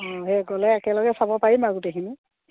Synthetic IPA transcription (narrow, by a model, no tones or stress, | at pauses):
ɔ̃ɦɛɡɔlɛɛkɛlɔɡɛsabɔpaɹimaɡutexini